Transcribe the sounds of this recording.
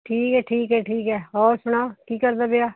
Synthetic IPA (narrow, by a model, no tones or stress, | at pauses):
ʈʰiːkɦɛːʈʰiːkɦɛːʈʰiːkɦɛːɔːɾsʊɽ̃aːkiːkəɾd̪aːbeaː